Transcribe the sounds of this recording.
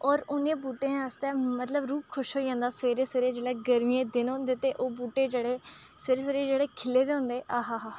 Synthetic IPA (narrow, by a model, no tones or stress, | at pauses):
ɔːɾʊnẽːbuːʈẽːəst̪ɛːmət̪ləbɾuːp̚kʰʊʃɦoːid͡ʒãːnd̪aːseːɾeːseːɾeːd͡ʒeːɽɛːɡəɾmiẽːd̪ɪnõːnd̪eːt̪eːʔoːbuːʈeːd͡ʒeːɽeː | seːɾeːs̬eːɾeːd͡ʒeːɽeːkʰɪlːeːd̪eːɦʊ̃nd̪eːʔaːɦaːɦaː